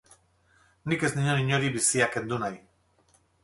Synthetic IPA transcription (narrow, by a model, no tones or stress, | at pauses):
nike̞zniɲoniɲo̞ɾiβisiake̞nd̪unaj